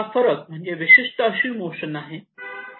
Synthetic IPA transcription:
afəɾək̚m̤əɳd͡ʑeʋiɕiʂʈəəɕiːmoɕənaɦe

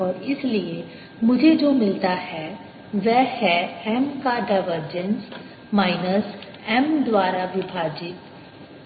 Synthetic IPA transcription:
ɔːɾɪslie | mʊd͡ʒʱed͡ʒoːmɪlt̪aɦɛ | ʋɛhɛɛmkaɖaɪʋəɾd͡ʒə̃ns | maːɪnəs | ɛmd̪waːɾaʋɪbʱaːd͡ʒɪt̪

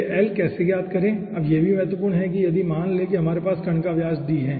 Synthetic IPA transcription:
ʔɛːlkɛːsekijaːd̪kɐɾẽː | ɐbjebʱimɛɦt̪wəpuːɾnɦɛk̬ijɐd̪ʱimaːnleːkeɦɐmaːɾepaːskɐɳkaʋjaːd͡ʒɖiɦɛ̃ː

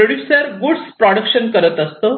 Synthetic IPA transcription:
əɽusəɾɡuɽspɾɔɽəkɕənkəɾət̪əst̪əː

